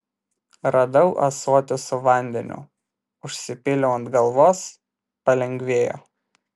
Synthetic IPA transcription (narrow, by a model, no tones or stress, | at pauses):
ɾɐd̪ɐʊʔɐ̰suɔt̪ʲɪsʊʋɐˑnʲd̪ʲɛ̰nʲʊ̰ | ʊʃʲsʲɪpʲɪlʲoʊnt̪ɡɐlˠʋoːs | pɐlʲɛŋʲɡʲʋʲeːjo̰ː